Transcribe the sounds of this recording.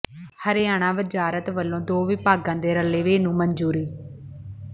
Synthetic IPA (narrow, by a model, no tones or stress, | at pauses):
həɾɪjaːɽ̃ãːʋəd͡ʒaːɾət̪ʋəlːõːd̪oːʋɪpaːɡãːd̪eːɾəleːʋeːnũːmənd͡ʒuːɾiː